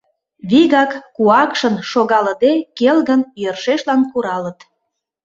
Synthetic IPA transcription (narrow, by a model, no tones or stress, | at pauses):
βiɣɑkːuɑkʃənʃoɣɑləd̪ekelɣənjøərʃeʃlɑnkuɾɑlət̪